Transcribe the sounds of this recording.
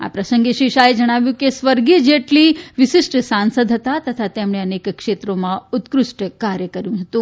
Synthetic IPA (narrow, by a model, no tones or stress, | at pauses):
a̰pɾəsəŋɡeʃʋiʃaed͡ʒəɽ̃aʋjũkesʋəɾɡid͡ʒeʈliʋɪʃɪsʈsansəd̪ʱɦət̪at̪ət̪ʰat̪emɳ̃eənekkʂet̪ɾomãut̪kɾʊʂʈəkaɾjəkəɾjũɦət̪ũ